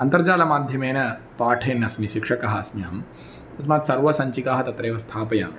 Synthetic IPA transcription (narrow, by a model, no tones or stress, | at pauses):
ɐnt̪ɐɾd͡ʒaːlɐmaːd̪ʱjɐmeːnɐpaːʈʰeːnɐsmiʃikʂɐkɐɦɐɐsmiɦɐm | ɐs̬maːt̪sɐɾʋɐsɐɲt͡ʃikaːɦɐt̪ɐt̪ɾeːʋɐst̪ʰaːpɐja̰ːm